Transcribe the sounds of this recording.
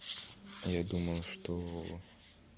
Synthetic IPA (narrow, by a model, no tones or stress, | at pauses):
jad̪umɐlˠʂt̪ɔ